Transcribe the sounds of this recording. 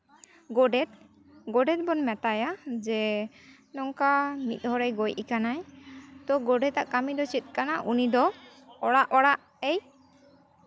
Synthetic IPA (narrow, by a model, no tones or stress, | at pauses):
ɡɔɖɛt̪̚ | ɡɔɖɛt̪̚ˀbɔnmɛt̪ajad͡ʒɛ | nɔŋkamḭt̪̚ˀɦɔɾɛjɡɔjʔikanajt̪ɔɡɔɖɛt̪aʔkamid̪ɔt͡ʃit̪̚ˀkanaʔunid̪ɔ | ɔɽaʔɔɽaʔ | ɛj